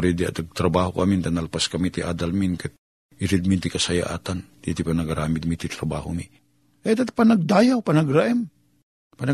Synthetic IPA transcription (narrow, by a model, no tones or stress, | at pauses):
ɾid̪iɐ̰t̪ɐɡ̚t̪ɾɐbaːɦokɐmint̪analpaskɐmit̪iʔaːd̪alminkat̪̚ | ʔɪɾɪd̪̚mint̪ikɐsɐja̰ʔa̰ːt̪and̪it̪ipanɐɡaɾaːmɪd̪̚mit̪it̪ɾɐba̰ːhʊmi | ʔɛt̪at̪panɐɡ̚d̪ajawpɐnɐɡɾaʔɛm | panɐ